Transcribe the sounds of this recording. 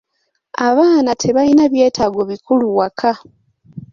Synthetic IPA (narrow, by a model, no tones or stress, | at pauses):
aβaːnatʰe̞βainaβje̞ːtʰaɡo̞βikuluwakʰa